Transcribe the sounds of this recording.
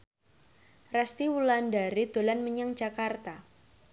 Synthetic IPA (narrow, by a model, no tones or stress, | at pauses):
rɛst̪iwulandaɾid̪̥olanməɲaŋd͡ʒakart̪a